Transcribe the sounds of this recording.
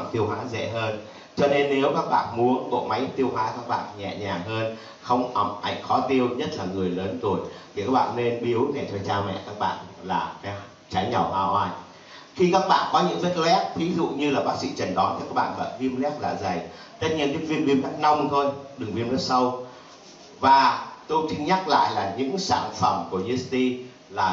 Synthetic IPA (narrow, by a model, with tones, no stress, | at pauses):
mt̪i˧əwɦwa̰ː˧˨˥zɛ̰˧˨ɦəː˧n | t͡ɕɔ˧ne˧nːe˨˦wkaː˦˥k̚ɓa̰ː˧˨nmu˨˦ənɓo̰˧˨ma˨˦jt̪i˧əwɦwaː˨˦kaː˦˥k̚ɓa̰ː˧˨nɲɛ̰˧˨ɲaː˨˩ɦəː˧n | xə˧wŋ͡mʔə˨˩mʔa˨˩jŋ̟xɔ˨˦t̪i˧əwɲə˦˥t̚laː˨˩ŋɨ˨˩əjləː˨˦nt̪u˨˩əjt̪ʰi˨kaː˦˥k̚ɓa̰ː˧˨nne˧nɓi˨˦əwnɛ˨˩t̪ʰɔ˧jt͡ɕaː˧mɛ̰˧˨kaː˦˥k̚ɓa̰ː˧˨nlaː˨˩˨ | t͡ɕa˨˦jɲə˨˩wʔaː˧wʔaː˧j | xi˧kaː˦˥k̚ɓa̰ː˧˨nkɔ˨˦ɲɨ̰˧˥ŋfe˦˥t̚ɛ˦˥t̚vi˨˦zṵ˧˨ɲɨ˧laː˨˩ɓaː˦˥k̚sḭ˧˥t͡ɕə˨˩nɗɔ˨˦nt̪ʰi˨˩kaː˦˥k̚ɓa̰ː˧˨və̰˧˨vi˧əmlɛ˦˥p̚la̰ː˨˩zə˨˩j | t̪ə˦˥t̚ɲi˧ənki˨˦vi˧əmvi˧mlɛ˦˥p̚na˧wŋ͡mt̪ʰo˧jɗɨ˨˩ŋvi˧mlɛ˦˥sə˧w | vaː˨˩t̪o˧jt͡ɕï˧ŋɲa˦˥k̚la̰ː˧˨jlaː˨˩ɲɨ̰˧˥ŋsaː˧˩nfə˧˩mku˧˩əzi˨˧˦st̪i˧ | laː˨˩